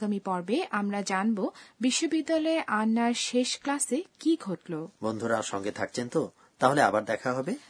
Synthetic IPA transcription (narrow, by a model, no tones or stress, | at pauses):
ɡamipɔɾbeʔamɾad͡ʑanbobiʃːobid̪ːalɔeʔanːaɾʃeʃklasekiɡʱoʈlobond̪ʱuɾaʃɔŋɡet̪ʰak̚t͡ɕʰent̪o | t̪aɦolea̰baɾd̪ɛkʰaɦɔbe